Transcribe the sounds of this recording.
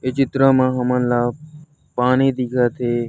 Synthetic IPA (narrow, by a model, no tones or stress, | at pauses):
et͡ʃɪt̪ɾãːmãːɦəmə̃nlaː | paːneːd̪ikʰaːt̪ʰeː